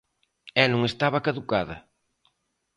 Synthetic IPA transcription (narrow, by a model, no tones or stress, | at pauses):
ɛnũŋest̪aβɐkaðukaðɐ̰